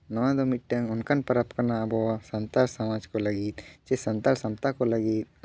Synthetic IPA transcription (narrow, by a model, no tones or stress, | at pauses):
nɐʋãd̪omiʈːɐŋunkɐnpɐɾɐpkɐnaɐbosɐnt̪alsɐmaːd͡ʒkolɐɡit̪t͡ʃesɐnt̪alsɐmt̪akolɐɡit̪̚